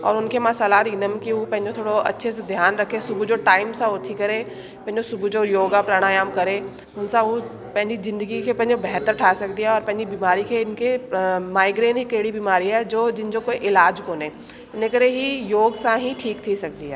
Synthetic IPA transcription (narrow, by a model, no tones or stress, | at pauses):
ɔ̰ːɾʊnkemasalaːɾinəmkiũpɛ̃ɦɪ̃d͡ʒot̪ʰoːɽoʔɐ̰tːʃʰesed̪ʱjaːnɾɐkʰesʊbʱud͡ʒoːʈaːɪmsãot̪ʰikɐɾe | pɛ̃ɦɪ̃ɲd͡ʒosʊbʱud͡ʒojoːɡapɾaːɽ̃aːjaːmkɐɾe | ʊnsãũ | pɛ̃ɦɪ̃ɲd͡ʒizɪ̃nd̪əɡikʰepɛ̃ɦɪ̃obɛɦt̪əɾʈʰaːsɐkd̪iɦaɔːɾpɛ̃ɪ̃ɲd͡ʒibiːmaːɾikʰeɪnkemaːɪɡɾeːnɦikeːɽibiːmaːɾiɦɛd͡ʒoːd͡ʒɪnd͡ʒokoːiʔɪlaːd͡ʒkoːnẽː | ɪnekɐɾeɦijoːɡsãɦĩʈʰiːkt̪ʰisɐk̚d̪iɦɛ̰ː